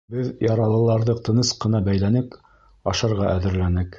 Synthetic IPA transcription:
bɘðjɑɾɑlˠɤ̆lˠɑɾðɤqt̪ɤ̆nɤsqɤ̆nɑbæjlænɘk | ɑʃɑɾʁɑʔæðɘ̆ɾlænɘk

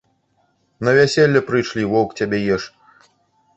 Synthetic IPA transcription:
nɐvʲasʲelʲːɐpɾɨjʂlʲivɔkt͡sʲabʲɛjɛʂ

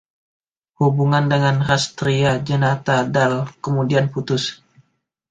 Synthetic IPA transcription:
hubuŋandəŋanrast̪ɾiad͡ʒənat̪adalkəmudianput̪ʊs

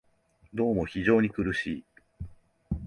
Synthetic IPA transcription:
d̪o̞ːmo̞çiʑo̞ːɲ̟ikɯ̟ɾɯ̟ɕiː

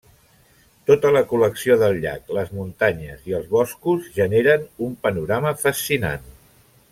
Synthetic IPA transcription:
t̪ot̪ələkuləksioðəlˠʎa̰kləzmunt̪aɲəziəlˠzβɔskuzʒəneɾənumpənuɾaməfəsina̰n

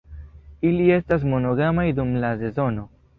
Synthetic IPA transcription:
ilie̞stas̬mo̞no̞ɡamajdumlase̞zo̞no̞

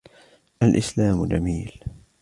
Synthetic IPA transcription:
ʔalʔɪslaːmd͡ʒamiːl

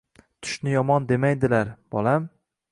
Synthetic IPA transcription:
t̪ʰʊ̥ʃnɪjɒmɒnd̪e̞majd̪ɪlaɾb̥ɒlam

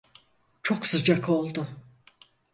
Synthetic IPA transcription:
t͡ʃʰo̞ksɯd͡ʒakʰo̞lˠd̪ʊ

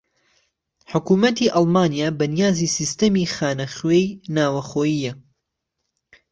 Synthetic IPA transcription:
ħʊkuːmɐt̪iːʔɑlˠmaːnijaːbɐnijaːziːsist̪ɐmixaːnɐxwejnaːwɐxoːjiːjɐ

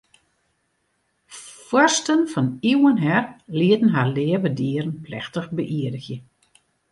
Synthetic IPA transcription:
fwɔrstənfɔniwənɦɛrliətn̩ɦalɪəvədiəɾən̩plɛ̰xtəxbəʔiədəxjə

